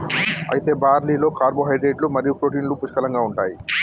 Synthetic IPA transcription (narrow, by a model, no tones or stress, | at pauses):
ɐ̰jit̪e̞ːbaːɾliːlo̞ːkaːɾboːɦɐjɖɾeːɖlumɐɾijupɾoːʈiːnlupuʃkɐlɐŋɡaːuɳʈaːji